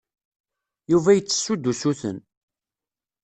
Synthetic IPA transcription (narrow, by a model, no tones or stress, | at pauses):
juvæjət͡sːə̥sːud̪ːusuθə̰n